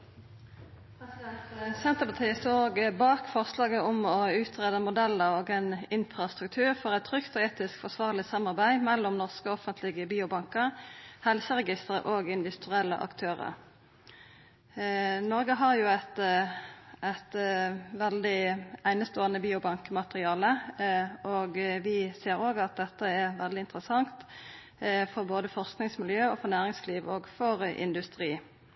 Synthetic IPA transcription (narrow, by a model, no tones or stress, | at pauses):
pʰɛsɪd̪ɛnt̪sɛnt̪əpʰɑt̪ʰiːəst̪oːɡbɑːkfɔʁslɑːɡəʊmɔʉːt̪ʁeːd̪əmʊd̪ɛlːəʁoːɡɛnɪnfʁɑst̪ʁʉk̚t̪ʰʉːʁfɔʁɛt̪ʰːʁʏkt̪ɔeːt̪ɪskfɔʁsʋɑːʁlɪsɑmɑʁbæɪmɛlːʊmnɔʁskəɔɔfənt̪ʰlɪɡəbiːʊbɑŋkəʁhɛlsəʁɛɡɪst̪əʁə̰ʔoːɡɪnd̪ɪt̪ʉɛlːə̰ʔɑ̰kt̪ʰøːʁə̰ʁ | nɔʁɡəɦɑʁjʊæt̪ | æt̪ʋɛld̪ɪæɪnəst̪oːənəbiːʊbɑŋkəmɑt̪əʁɪɑːlə | oːɡʋɪseːɾoːɡɑt̪̚d̪ɛt̪ːəɛʁʋɛld̪ɪɪnt̪ʁəsɑŋt̪ | fɔʁboːd̪əfɔʁsknɪŋsmɪljøːofɔʁnæːʁɪŋsliːʋoːɡfɔʁʔɪ̰nd̪ʉst̪ʁiː